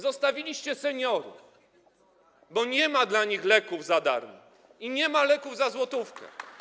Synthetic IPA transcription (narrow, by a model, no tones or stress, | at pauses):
zɔst̪avʲilʲiɕt͡ɕɛsɛɲɔɾṵ | bɔɲɛmad̪laɲixlɛkuvzad̪a̰ɾmɔ | iɲɛmalɛkuvzazwɔt̪ufkɛ̰